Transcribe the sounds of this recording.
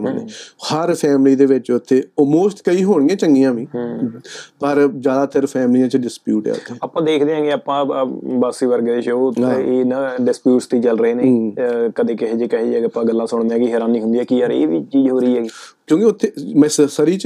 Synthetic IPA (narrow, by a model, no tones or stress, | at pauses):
mənḛːhəɾpʰɛːmliːd̪eːʋɪt͡ʃʊt̪ʰːeːɔmoːsʈkəiːɦoːɽ̃ɪjãːt͡ʃəŋɡiːãːʋĩː | pəɾd͡ʒjaːd̪aːt̪əɾpʰɛːmlijãːt͡ʃɖɪspjuːʈɛ̰ːʊ̰ːt̪ʰːeːapːãːd̪eːkʰd̪eːãːɡeːaːpãːbaːsiːʋəɾɡd̪eːʃoːãeːnaɖɪspjuːʈst̪iːt͡ʃəlɾəeːneːkəd̪eːkɪɦeːd͡ʒekəɦeːd͡ʒəpãːɡəlːãːsʊɳ̃nd̪aːkɪɦɛːɾaːnːĩːɦʊ̃nd̪iːɛːkiːəɾḛːʋiːt͡ʃiːd͡ʒɦoːɾiːɦɛːɡiː | kjõːkɪʊt̪ʰːeːmɛ̃ːssəɾiːt͡ʃ